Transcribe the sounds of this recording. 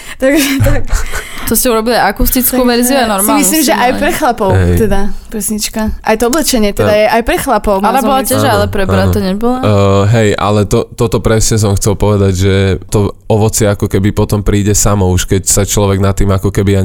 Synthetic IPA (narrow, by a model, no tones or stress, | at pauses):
t̪aɡʒɛakt̪ɔscɛuɾɔbiliaakust̪it͡skkuʋɛɾziuanɔɾmailmisliːmʒɛʔajpɾɛxlapɔʊtt̪ɛd̪apɾɛsɲit͡ʃkaʔajt̪ɔɔblɛt͡ʃɛɲɪɛt̪ɛd̪ajɛʔajpɾɛxlapɔʊmalabɔlaɛʒaalɛpɾɛbɾat̪ɔɲɛbɔlaɦɛjʔa̰lɛt̪ɔt̪ɔt̪ɔpɾɛsɲɛs̬ɔmxt͡sɛlˠpɔʋɛd̪aɟʒɛt̪ɔɔʋɔt͡sɪɛakɔkɛbipɔt̪ɔmpɾiːɟɛsamɔuʃkɛcsat͡ʃlɔʋɛɡnat̪ːiːmakɔkɛbija